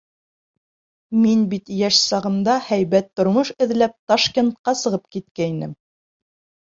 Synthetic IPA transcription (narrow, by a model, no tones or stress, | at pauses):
minbit̪jæʃsɑʁɤ̆nd̪ɑhæjβæt̪ːŏɾmoʃɘ̆ðlæp̚t̪ɑʃkʲent̪̚qɑsɤ̆ʁɤp̚kit̪̚kæinɘ̰m